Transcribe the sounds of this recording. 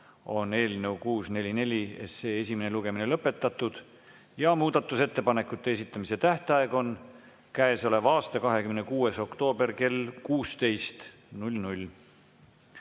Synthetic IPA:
o̞ne̞ːlne̞wkuːsne̞lʲine̞lʲiḛse̞ːes̬ʲimene̞luɡ̥e̞mine̞lɤpːˑe̞t̪ˑːɑt̪ːˑud̪̥ | jɑmuːd̪̥ɑt̪ːˑuse̞t̪ːe̞pɑne̞kːˑut̪ˑːe̞esit̪ːˑɑmise̞t̪æht̪eɑe̞ɡ̥o̞n | kæeso̞le̞vɑːst̪ɑkɑɦe̞kymnekuːe̞so̞kt̪o̞ːbe̞rke̞lkuːst̪e̞jst̪ | nulʲnulʲ

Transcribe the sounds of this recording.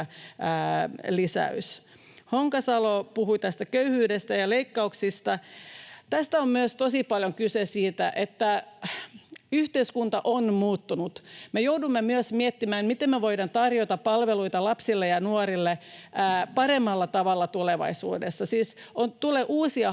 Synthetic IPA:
lisæ̰ys | hoŋkɑsɑlopuhuit̪æst̪ækøyhyːdest̪æjɑleikːɑuksist̪ɑ | t̪æst̪æommyøst̪osipɑljoŋkysesiːt̪æ̰ʔet̪ːæ | yht̪eiskunt̪ɑʔonmuːt̪ːunut̪mejoudumːemyøsmiet̪ːimæːnmit̪emmeʋoidɑnt̪ɑrjot̪ɑppɑlʋeluit̪ɑlɑpsilːejɑnuoɾilːe | pɑremːɑlːɑt̪ɑʋɑlːɑt̪uleʋɑ̰isṵːdesːɑsiːsont̪uleʔuːsiɑ

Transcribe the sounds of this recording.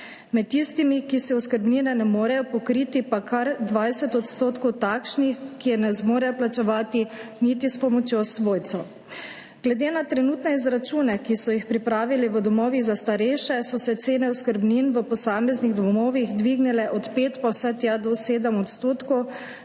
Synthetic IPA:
mɛt̪ːist̪imikisɛuskəɾbniːnɛnɛmoːɾɛjɔpɔkɾiːt̪ipakʰaɾd̪ʋaːjsɛt̪ɔt̪st̪oːt̪kɔwt̪aːkʃnixkːiɛnɛzmoːɾɛjɔplat͡ʃɛʋaːt̪init̪ispɔmɔt͡ʃjosʋoːjt̪sɔ | ɡ̥lɛd̪eːnat̪ɾɛnuːt̪nɛizɾat͡ʃuːnɛkisɔjixpɾipɾaːʋiliʋəd̪ɔmɔːʋiɣzast̪aɾɛjʃɛsɔsɛt̪seːnɛɔskəɾbninʋəpɔsaːmɛzniɣd̪ɔmɔːʋiɣd̪ʋiːɡnilɛʔɔt̪peːt̪pawsɛt̪jad̪ɔseːd̪əmɔt̪st̪oːt̪kɔw

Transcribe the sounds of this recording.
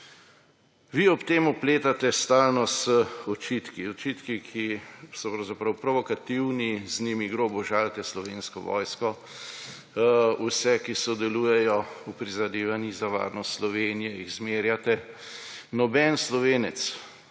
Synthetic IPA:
ʋiɔpt̪eːmɔpleːt̪at̪ɛst̪aːlnɔsəɔt͡ʃit̪kiɔt͡ʃit̪kikʰisɔpɾɐwzapɾɐwpɾɔʋɔkat̪iwniznimiɡɾobɔʒaːlt̪ɛslɔʋeːnskɔʋɔ̰ːjskɔ | usɛkisɔd̪ɛluːjɛjɔupɾizad̪eːʋanizaʋa̰ːɾnɔst̪slɔʋeːnijɛiɣzmeːɾjat̪ɛ | nɔbɛnslɔʋeːnɛt̪s

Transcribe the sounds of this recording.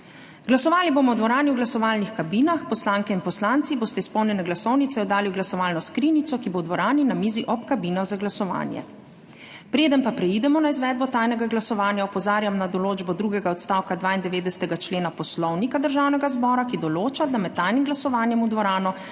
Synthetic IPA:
ɡlasɔʋaːliboːmɔwd̪ʋɔɾaːniwɡlasɔʋaːlnixkabiːnaxpɔslaːŋkɛinpɔslant̪siboːst̪ɛispɔwnjɛnɛɡlasɔwnit̪sɛɔd̪aːliwɡlasɔʋaːlnɔskɾiːnit̪sɔkibowd̪ʋɔɾaːninamiːziʔɔpkabinaɣzaɡlasɔʋa̰ːnjɛ̰ | pɾeːd̪ənpapɾɛiːd̪ɛmɔnaizʋɛd̪̚bɔt̪aːjnɛɡaɡlasɔʋaːnjaɔpɔzaːɾjamnad̪ɔloːd͡ʒbɔd̪ɾuːɡɛɡaɔt̪st̪aːwkad̪ʋaːind̪ɛʋeːd̪ɛsɛ̥t̪ɛɡat͡ʃleːnapɔslɔwnikad̪əɾʒawnɛɡazbɔːɾakid̪ɔloːt͡ʃad̪amɛt̪̚ːajnimɡlasɔʋaːnjɛmud̪ʋɔɾaːnɔ

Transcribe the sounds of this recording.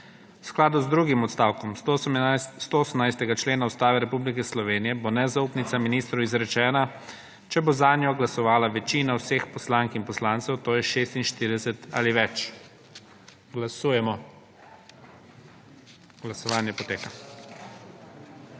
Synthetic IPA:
wsklaːd̪uzd̪ɾuːɡimɔt̪st̪aːwkɔm | st̪ooːsəmnajst̪ɛɡat͡ʃleːnaust̪aːʋɛɾɛpublik̬ɛslɔʋeːnijɛbonɛzauːpnit̪saminiːst̪ɾʊizɾɛt͡ʃɛːna | t͡ʃɛbozaːnjɔɡlasɔʋaːlaʋɛt͡ʃiːnawsexpɔslaŋkinpɔslaːnsɛwt̪oːjɛʃeːst̪inʃt̪iːɾid̪ɛsɛt̪a̰liʋɛt͡ʃ | ɡlasuːjɛmɔ | ɡ̥lasɔʋaːnjɛpɔt̪eːka

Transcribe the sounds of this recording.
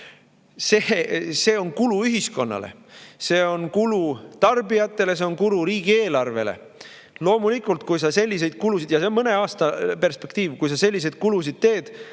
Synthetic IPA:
sese̞ːo̞nkuluyɦisko̞nːɑ̰le̞̰se̞ːo̞nkulut̪ɑrbijɑt̪ːˑe̞le̞s̬e̞onkuɾuɾiːɡ̥ie̞ːlɑrve̞̰lḛ | lo̞ːmulikˑult̪kujsɑse̞lʲːis̬e̞jd̪̥̚kulusid̪̥jɑseonmɤne̞ɑːst̪ɑpe̞rspekt̪iːvkujs̬ɑse̞lʲːis̬e̞jd̪̥̚kulus̬id̪̥t̪e̞ːd̪̥

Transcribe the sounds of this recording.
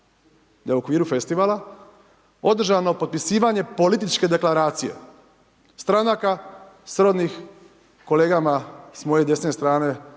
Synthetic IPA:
d̪auo̞kʋiːɾufe̞st̪iʋaːla | o̞d̪r̩ʒano̞pod̪̚pisiːʋaɲe̞po̞lit̪̬it͡ʃke̞d̪e̞klaɾaːt̪sije̞̰ | st̪ɾanaka | sɾo̞d̪nix | ko̞le̞ːɡamasmo̞jed̪e̞snest̪ɾaːne̞

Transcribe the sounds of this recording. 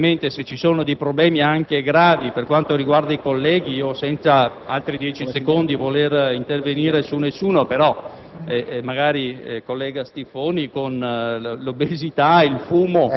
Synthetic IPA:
ment̪eset͡ʃːisoːnod̪ejpɾoblɛːmiaŋkeɡɾaːviperkwant̪oɾiɡward̪aikolːɛːɡiiːosɛnt̪sa | alt̪ɾid̪jɛːt͡ʃisekond̪ivolerint̪erveniːɾesunːesːuːnopeɾɔ | ɛmaɡaːɾikolːɛːɡast̪ifoːnikonlobezit̪ailfuːmo

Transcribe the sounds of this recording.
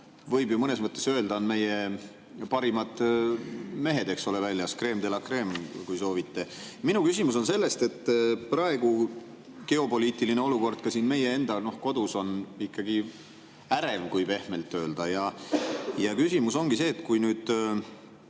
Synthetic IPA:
vɤjbjumɤne̞smɤt̪ˑːe̞søːld̪ɑnme̞je | pɑɾimɑd̪ | me̞ɦe̞d̪e̞kso̞levælʲjɑskre̞ːmd̪e̞lɑkre̞ːmkujso̞ːvit̪ːe̞ | minukysʲimus̬o̞nse̞lːe̞st̪e̞t̪ːprɑe̞ɡ̥u | ɡ̥e̞o̞po̞liːt̪ˑilineo̞luko̞rd̪̥̚kɑsiːnme̞je̞e̞nd̪̥ɑno̞hko̞d̪̥uso̞nikːɑɡ̥i | æɾe̞vkujb̥e̞hme̞lt̪ːˑøːld̪̥ɑjɑ | jɑkysimuso̞ŋɡ̥ise̞ːt̪kujnyːd̪̥

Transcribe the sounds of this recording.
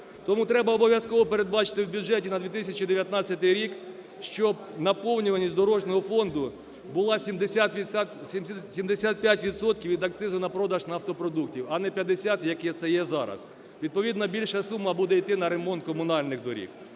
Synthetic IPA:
t̪ɔmut̪ɾɛbɐɔbɔʋʲjɐskɔʋɔpeɾe̞d̪̚bɑt͡ʃɪ̥t̪ɪwbʲjʊd͡ʒɛtʲinɐd̪ʋʲit̪ɪsʲɐt͡ʃid̪eʋʲjɐt̪nɑt͡sʲːɐt̪ɪjɾʲik | ʃt͡ʃɔb̚ | nɐpɔwnʲʊʋɐnʲisʲd̪ɔɾɔʒnɔɦɔfɔnd̪ʊ | bʊlˠɑsʲimd̪esʲat̪ʋʲt̪ʲmʲsʲimd̪esʲat̪̚pʲjatʲʋʲid̪sɔt̪kʲiwʋʲid̪ɐkt̪sɪzʊnɐpɾɔd̪ɐʒnɐft̪ɔpɾɔd̪uk̚tʲiwɐnɛpʲjɐd̪esʲat̪jɐkɛt̪sɛjɛzɑɾɐ̰s | ʋʲid̪̚pɔʋʲid̪nɐbʲilʲʃɐsumːɐbud̪ɛijt̪ɪnɐɾe̞mɔnt̪̚kɔmʊnɑlʲnɪɣd̪ɔɾʲḭk

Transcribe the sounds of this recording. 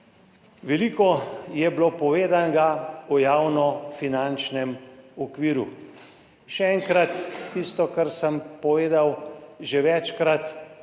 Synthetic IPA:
ʋɛliːkɔjɛblopɔʋeːd̪anɡaɔjaːwnɔfinant͡ʃnɛmɔkʋiːɾu | ʃɛɛŋkɾat̪ːist̪ɔkaɾsəmpɔʋeːd̪awʒeʋɛt͡ʃkɾat̪

